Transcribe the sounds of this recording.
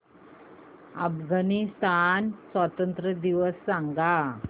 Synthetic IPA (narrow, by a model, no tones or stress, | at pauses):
afɡanist̪ansʋat̪ənt̪ɾəd̪iʋəsːãŋɡa